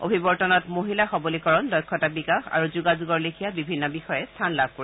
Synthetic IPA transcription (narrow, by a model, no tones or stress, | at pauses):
ʔo̰bʱibɔɹtɔnɔtmoɦilaxɔbolikɔɹɔndɔjkʰːɔtabikaxa̰ɹuzuɡazuɡɔɹlikʰijabibʱinːɔbixɔjɛstʰanlab̚ʱkoɹi